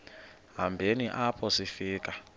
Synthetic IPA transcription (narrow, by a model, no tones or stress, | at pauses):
ɦambʱeniʔapʰɔsifiːkʼa